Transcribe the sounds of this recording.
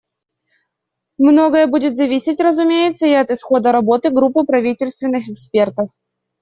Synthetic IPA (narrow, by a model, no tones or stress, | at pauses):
mno̞ɡəjəbudʲɪt̪zɐvʲisʲɪtʲrəzʊmʲejɪt̪səiɐt̪ɨsxo̞d̪əɾɐbo̞t̪ɨɡɾupːɨpɾɐvʲitʲɪlʲst̪vʲɪnːɨxɛkspʲe̞rt̪əf